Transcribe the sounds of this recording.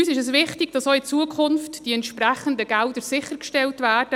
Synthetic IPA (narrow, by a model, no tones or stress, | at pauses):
yːsɪʃəsʋɪχtɪɡ̥d̥ɑsoɪt͡suəkʰʊnftd̥iɛntʃpɾæχəndəɡɛldəɾsɪχəɾkʃtɛltvæːrd̥ə